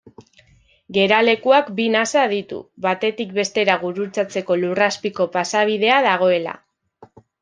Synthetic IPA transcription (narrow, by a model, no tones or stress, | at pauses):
ɡe̞ɾale̞kuakbinasað̞it̪ṵβat̪e̞t̪ikbe̞st̪e̞ɾaɣuɾut͡sat͡se̞ko̞luraspiko̞pasaβ̞ið̞e̞að̞aɣ̞o̞e̞la̰